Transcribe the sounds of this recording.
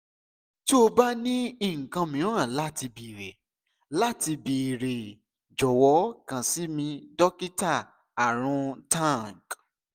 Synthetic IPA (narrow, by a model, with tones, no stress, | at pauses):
ti˦o˧ba˦nĩ˦i˦˨ŋ̩˨kã˧mĩ˨˦ã˦˨la˦ti˧bi˨ɾe˨ | la˦ti˧bi˨ɾe˨ | d͡ʒɔ˨wɔ˨˦kã˨si˨˦mĩ˧dɔ˦ki˦ta˦˨ | a˨ɾ̃ũ˧˦tã˦˨ŋ˨k